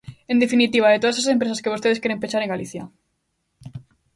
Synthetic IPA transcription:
end̪efinit̪iβ̞aet̪oasasempɾesaskeost̪eðeskeɾempeʃaɾeŋɡaliθja

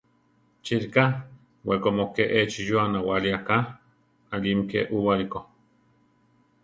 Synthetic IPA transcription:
t͡ʃiɾka | wekomokeʔet͡ʃijoanawaliaka | alimkḛʔuwaliko

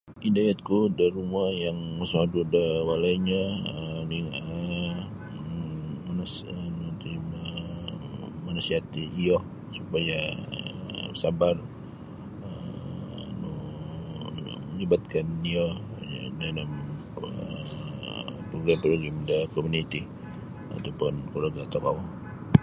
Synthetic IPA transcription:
ʔidajat̪̚kudaɾumuajaŋmasmadudawalaiɲaəni | mansnut̪imə | manusiɦat̪iːjɔh | supaja | sabar | ə | nu | ɲibat̪̚kanio | danam | ə̰ | pɾoɡɾampɾoɡɾamdəkomunit̪i | a̰t̪awpʊnkuɾaɡat̪akaw

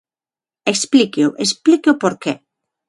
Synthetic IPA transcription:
eksplikoʔesplikeopoɾke

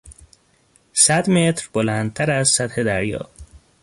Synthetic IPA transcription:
sæd̪met̪ɾbolænd̪̚t̪ʰæɾæzsæt̪he̞d̪æɾjɒ̰ː

